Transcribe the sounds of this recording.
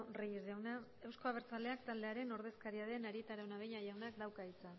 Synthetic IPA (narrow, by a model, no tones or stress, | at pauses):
rejezʝawna | e̞wsko̞aβ̞e̞ɾt͡sald̪e̞akt̪ald̪e̞aɾe̞no̞ɾð̞e̞skaɾiað̞e̞naɾiet̪aɾawnaβeɲaʝawnakd̪awkait͡sa